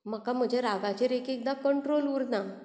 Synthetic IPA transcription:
m̤əkam̤əd͡ʑʱeɾaɡat͡ɕeɾekek̚d̪akəɳʈɾoluɾna

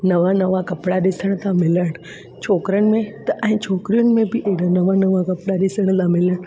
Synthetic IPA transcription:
nɐʋanɐʋakɐpɽaɗɪsəɽ̃t̪ãmɪləɽ̃ | t͡ɕʰoːkɾəɽ̃ɪ̆mẽt̪ɐʔɛ̃ːt͡ɕʰoːkɾijʊnɪ̆mẽbɪʔeɦɽanɐʋanɐʋakɐpɽaɗɪsəɽ̃t̪ãmɪləɽ̃

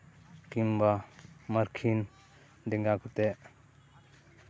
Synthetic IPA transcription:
kimbamaɾkʰin | d̪ɛŋɡakʰut̪ɛʔ

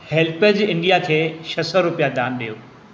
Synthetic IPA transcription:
hɛlpəd͡ʑɪ̃ɳɖijakʰeːʃʰɐsɔɾʊpijad̪aːnɗijoː

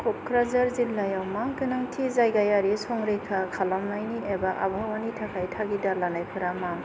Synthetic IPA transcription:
kʰop̚kʰɾazaɾzilːajawmakɯnaŋtʰizajɡajaɾisɔŋɾejkʰakʰalamnajniebaʔa̰bʱawanitʰakʰajtʰaɡidalanajpʰɯɾamaŋ

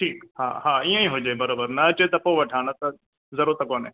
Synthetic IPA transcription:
ʈʰiːkhã̰ːhãːiẽĩɦod͡ʒaːebɐɾoːbəɾnɐɐt͡ʃɐet̪ɐpoːʋɐʈʰaːnɐt̪ɐ | zɐɾuːɾt̪ɐkoːnɦẽː

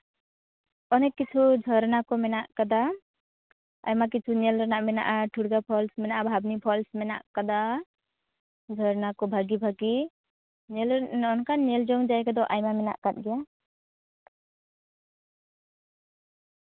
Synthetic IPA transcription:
ɔnekːit͡ʃʰud͡ʒʱɔɾnakɔmɛnaʔkad̪a | a̰jmak̬it͡ʃʰunelɾɔnaʔmɛna̰ʔaʈʰuɽɡapʰɔlsmɛnaʔabʱabnipʰɔlsmɛna̰ʔkad̪a | d͡ʒʱɔɾnakɔbʱaɡibʱaɡi | nelnɔnkaneld͡ʒɔŋd͡ʒajkad̪ɔʔajmamɛna̰ʔkat̪̚ˀɡɛja

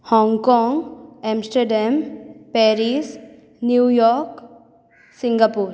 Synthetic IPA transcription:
hɔ̃ːŋɡkɔ̃ːŋɡɛ̃ːmsʈəɾɖɛmpɛːɾiːs | njuːjɔːɾk | sɪ̃ŋɡapuːɾ

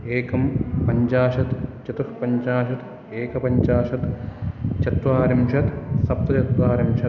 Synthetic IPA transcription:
eːkɐmpɐɲt͡ʃaːʃɐt̪t͡ʃɐt̪ɐʂpɐɲt͡ʃaːʃɐt̪ | eːkɐpɐɲt͡ʃaːʃɐt̪ | t͡ʃɐt̪ʋaːɾɐmʃɐt̪sɐp̚t̪ɐt͡ʃɐt̪ʋaːɾɐmʃɐ

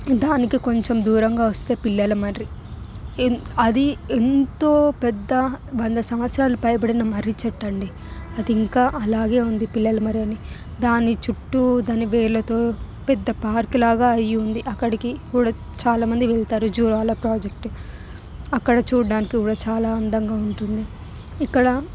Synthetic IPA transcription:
d̪aːnikiko̞ɲt͡ʃemd̪uːɾɐŋɡaːʋɐst̪e̞ːpilːɐlɐmɐɾɾi | ɐd̪ient̪o̞ːpɛd̪ːɐʋɐnd̪ɐsɐmʋɐt̪sɾaːlupɐjɐp̬ɐɽinɐmɐɾit͡ʃɛʈːɐɳɖi | ɐd̪iːŋkaːʔɐlaːɡe̞ːund̪ipilːɐlɐmɐɾijɐni | d̪aːnit͡ʃuʈːud̪aːniʋeːɾlɐt̪o̞ː | pɛd̪ːɐpaːɾkilaːɡaːɐjːund̪iʔɐkːɐɽikikuːɽaː | t͡ʃaːlaːmɐnd̪iʋɛɭt̪aːɾud͡ʒuːɾaːlapɾaːd͡ʒek̚ʈ | ɐkːɐɽɐt͡ʃuːɽɖaːnikikuːɽaːt͡ʃaːlaːɐnd̪ɐŋɡaːuɳʈund̪i | ikːɐɽɐ

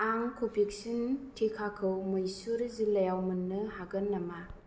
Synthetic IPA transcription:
aŋkʰopiksintʰekʰakʰɯwmɯjsuɾzilɐjawmɯnːɯhaɡɯnːɐma

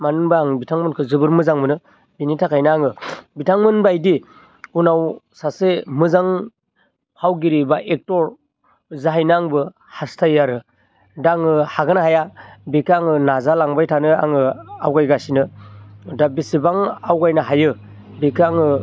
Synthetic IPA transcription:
manɯnbaaŋbitʰaŋmɯnkʰɯzɯbɯɾmɯzaŋmɯnɯ | binitʰakʰajnɯaŋɯbitʰaŋmɯnbajdi | unawsasemɯzaŋ | pʰawɡiɾibaʔek̚tɔɾ | zaɦajnɯaŋbɯ | hastʰajaɾɯ | daŋɯhaɡɯnaɦajabekʰaŋɯnazalaŋbajtʰanɯa̰ŋɯawɡajɡasinɯ | dabisibaŋawɡajnɯɦajɯ | bekʰaŋɯ

